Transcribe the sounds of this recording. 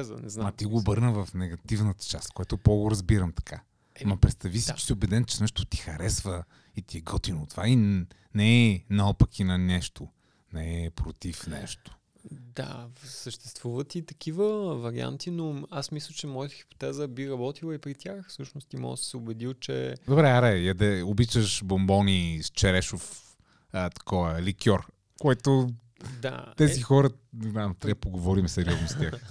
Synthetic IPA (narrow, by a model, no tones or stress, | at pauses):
z̰nɛznaɐt̪iɡoːbɤɾnəvɐfnɛɡɐt̪ivnət̪ə̥t͡ʃast̪̚kojat̪opoɡoɾɐzbiɾəmt̪ɐ̥kʰa | mɐpɾɛt̪st̪ɐvisit͡ʃɛ̥siobɛd̪ɛnt͡ʃɛnɛʃt̪o̥t̪i̥xɐɾɛsvə | it̪iɛɡɔt̪inot̪vain | nɛːnalˠpəkʰinɐnɛʃt̪o | nɛpɾot̪ifnɛ̰ʃt̪o̥ | d̪a̰səʃt̪ɛ̥st̪vuvət̪it̪ɐkivəvɐɾia̰nt̪inoasmislʲət͡ʃɛmɔjət̪ə̥xi̥po̥t̪ɛzəbiɾɐbɔt̪ilˠəipɾit̪ʲjaxfsəʃnʊst̪imɔ̰ɡsə̥sɛʊbɛd̪ilˠt͡ʃɛ̰d̪obɾɛaɾɛjɐd̪ɛobit͡ʃəʃbombɔnist͡ʃɛɾɛʃof | ət̪ɐ̥kɔvɐɛlikʲɔɾ | koɛt̪o | d̪a̰t̪ɛzixɔɾəant̪ɾɛpoɡovɔɾimsɛɾiɔznost̪ʲjax